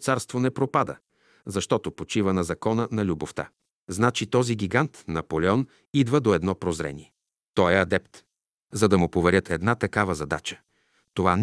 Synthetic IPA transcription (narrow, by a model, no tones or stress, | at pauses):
t̪saɾst̪vonɛpɾopad̪ə̰ | zɐʃt̪ɔt̪opot͡ʃivənɐzɐkɔnənɐlʲuboft̪a̰ | znat͡ʃit̪ɔziɡʲiɡant̪nɐpolɛɔn | id̪vəd̪oɛd̪nɔpɾozɾɛ̰nʲiɛ | t̪ɔjɛɐd̪ɛpt̪ | zɐd̪ɐmʊpovɛɾʲjət̪ʰɛd̪nat̪ɐkavəzɐd̪a̰t͡ʃə̥ | t̪ova